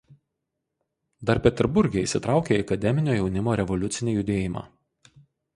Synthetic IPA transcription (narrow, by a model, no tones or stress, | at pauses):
d̪ɐɾpʲɛt̪ʲɛɾbʊɾʲɡʲɛɪsʲɪt̪ɾɑˑʊkʲeːiɐkɐd̪ʲɛmʲɪnʲoːjɛʊnʲɪmoːɾʲɛʋɔlʲʊt̪sʲɪnʲijʊd̪ʲeːjɪmɑ̰ː